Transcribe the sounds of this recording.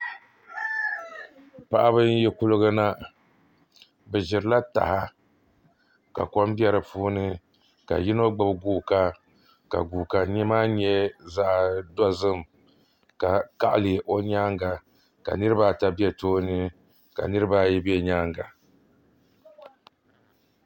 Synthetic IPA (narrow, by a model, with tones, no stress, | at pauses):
pa˨ʔa˦bɨ˦n˦jɛ˦ku˦lɨ˦ɡɨ˦na˦ | bɨ˨ʒɪ˨ɾɨ˦la˦ta̰˨ha˦ | ka̰˨kɔ˦m˦bjɛ˦ɾɨ˨pʰuː˦nɨ˦ | ka̰˨ji˦no˦ɡ͡bɨ˦bɡuː˦ka˦ | ka̰˨ɡu˨ka˨ɲi˦maː˦ɲ˦ɛ˦za˦ʔdɔ˦zɨ˦m | ka˨ka˦ʔlɨ˨ʔo˦ɲaː˦ŋɡa˨ | ka̰˨nɨ˦ɾɨ˦ba˦ta˦bi˦ɛ˨toː˦nɨ˦ | ka̰˨nɨ˦ɾɨ˦ba˦jɛ˦bɛ˦ɲaː˦ŋɡa˨